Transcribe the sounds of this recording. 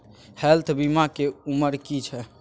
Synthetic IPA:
hɛlt̪ʰbimakeuməɾkit͡ʃʰɛ

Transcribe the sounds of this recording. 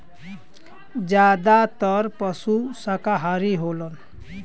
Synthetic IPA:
d͡ʒjad̪at̪ʌɾpʌsusakaɦaɾiɦolɔn

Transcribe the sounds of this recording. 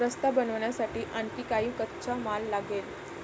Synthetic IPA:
ɾəst̪abənəʋɳjasaʈiːʔəɳkiːkaɦiːkətːɕamalːaɡel

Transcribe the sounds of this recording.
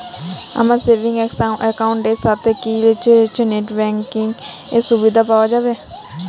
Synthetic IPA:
a̰mãːseːʋɪŋɡɛksaʔɛkaːʊɳʈeːsat̪eːkiːlet͡ʃt͡ʃneʈbɛːŋkɪŋɡ | eːsʊbiːd̪aːpaːʋad͡ʒaːʋeː

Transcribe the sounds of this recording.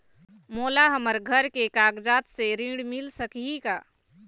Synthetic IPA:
molaɦəməɾɡʱəɾkekaɡd͡ʒat̪seɾĩɽmilsəkiika

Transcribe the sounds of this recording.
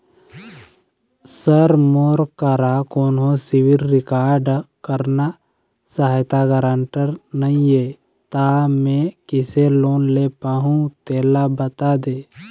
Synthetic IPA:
səɾmoːɾkəɾakoːnɦosɪwɪlːɪkaːɾɖkəɾna | saɦjt̪aɡəɾaɳʈəɾnəĩeː | t̪amẽkɪseloːnleːpaɦũt̪eːlabət̪ad̪eː

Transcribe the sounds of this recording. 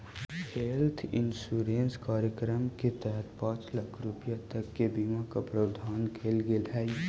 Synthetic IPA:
heːlt̪ʰɪ̰nsuːɾẽːnskaːɾjəkɾəmket̪ɛɦət̪pãːt͡ʃlɐkʰɾʊpjat̪ɐkːebiːmakapɾəʊd̪ʱaːnkʰeːlɡelɦɛːi

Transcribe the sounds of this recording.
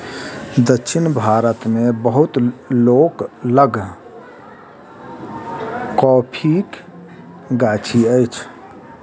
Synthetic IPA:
d̪ətːʃʰinbʱaɾət̪mebəɦut̪lokləɡ | kɔpʰik | ɡat͡ʃʰiəjt͡ʃʰ

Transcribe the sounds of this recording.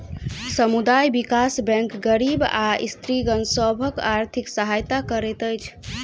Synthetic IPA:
səmud̪ajbikasbɛ̃ŋkɡəɾibaḭst̪ɾiɡənsəbʱəkaɾt̪ʰiksəɦajt̪akəɾɛt̪əjt͡ʃʰ

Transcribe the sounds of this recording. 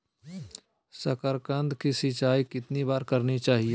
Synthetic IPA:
səkəɾkə̃nd̪kisit͡ʃaːikɪt̪nibaːɾkɐɾnit͡ʃaːɦie

